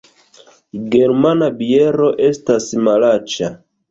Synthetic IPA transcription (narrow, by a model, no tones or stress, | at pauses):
ɡeɾmanabieɾo̞ʔestasmalat͡ʃa